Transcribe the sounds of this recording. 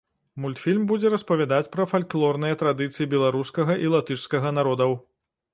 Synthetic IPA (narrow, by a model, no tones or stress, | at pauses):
mulʲt̪fʲilʲmbud͡zʲɛɾɐspɐvʲad̪at͡sʲpɾɐfalʲklˠɔrnɨjɐt̪ɾad̪ɨt̪sɨjibʲɛlˠaɾuskɐɣɐʔilˠat̪ɨʂskɐɣɐnaɾɔd̪ɐw